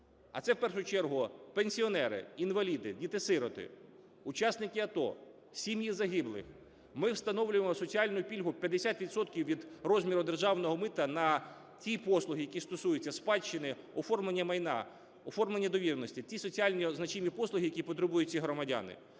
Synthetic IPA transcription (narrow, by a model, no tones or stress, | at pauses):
ɐ̰t̪sɛwpɛrʃʊt͡ʃɛrɦʊpenʲsʲiɔnɛɾɪ̰inʋɐlʲid̪ɪ̰dʲit̪ɪsɪɾɔt̪ɪ̰ | ʊt͡ʃɑsnɪkɪɐt̪ɔ̰ | sʲimjizɐɦɪblˠɪ̰x | mɪwst̪ɐnɔwlʲʊjemɔsɔt͡sʲiɑlʲnʊjʊpʲilʲɦʊpʲjɐd̪esʲat̪ʋʲid̪sɔt̪kʲiwʋʲid̪rɔzʲmʲiɾʊd̪erʒɑwnɔɦɔmɪt̪ɐnɐ | tʲipɔslˠʊɦɪjɐkʲist̪ɔsujʊt͡sʲːɐspɑt͡ʃːɪnɪ | ɔfɔrmlˠenʲːɐmɐjnɑ̰ | ɔfɔrmlenʲːɐd̪ɔʋʲiɾnɔsʲtʲitʲisɔt͡sʲialʲnʲiznɐt͡ʃimʲipɔslˠʊɦʲijɐkʲipɔt̪ɾebujʊt̚ʲt͡sʲiɦɾɔmɐdʲa̰nɪ̰